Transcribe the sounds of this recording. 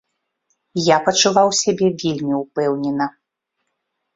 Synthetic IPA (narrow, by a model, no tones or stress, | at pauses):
japɐt͡ʂuvawsʲabʲɛvʲelʲmʲiupɛwnʲɛnɐ